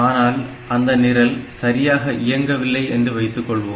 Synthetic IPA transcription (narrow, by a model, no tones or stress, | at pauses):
aːnaːl | ɐnd̪ɐnɪɾɐlsɐɾɪjaːɣɐʔɪjɐŋɡɐʋɪlːɐɪʔɛndrɯʋɐɪt̪ːɯkːɔɭʋoː